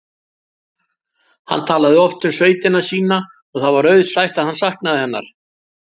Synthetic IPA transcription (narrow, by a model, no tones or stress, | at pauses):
ha̰nːt̪ʰaːlaðɪɔft̪ʏmsveːjt̪ɪnasiːna | ɔɣθaðvaɾœɥðsajht̪aðhansahknaðɪhɛnːa̰ɾ̥